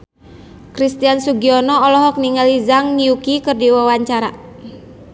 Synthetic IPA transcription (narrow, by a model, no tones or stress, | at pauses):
kɾist̪iansuɡiɔnɔɔlɔɦɔk̚niŋalizaŋːiukikɨrdiwawaɲt͡ʃaɾa